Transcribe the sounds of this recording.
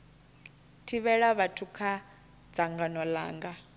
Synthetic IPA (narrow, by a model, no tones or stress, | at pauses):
tʰiβɛɺaβatʰukʰa | d͡zaŋɡanɔla̰ːŋɡa